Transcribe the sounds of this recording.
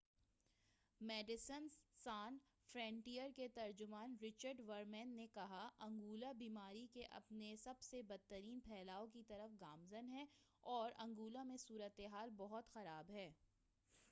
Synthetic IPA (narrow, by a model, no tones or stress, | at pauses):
mɛːɖɪsənsaːn | fɾɛ̃ːɳʈijəɾket̪ɐɾd͡ʒʊmaːnɾɪt͡ʃəɾɖʋɐɾmɛ̃ːnːekɐɦaʔɐ̃ŋɡuːlabiːmaːɾikeʔɐ̰pnesɐbsebɐd̪̚t̪ːəɾiːnpʰɛːlaːokit̪ɐɾəfɡaːmzənɦɛɔːɾɐ̃ŋɡuːlamẽsuːɾət̪eɦaːlbɔɦʊt̪xɐɾaːbɦɛː